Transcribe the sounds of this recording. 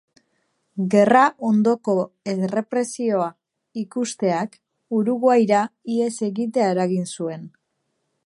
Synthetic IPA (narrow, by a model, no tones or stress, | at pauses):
ɡe̞raʔo̞nd̪o̞ko̞ | ere̞pɾe̞sio̞a | ikust̪e̞ak | uɾuɣoajɾaie̞se̞ɣit̪̬e̞ae̞ɾaɣinsue̞n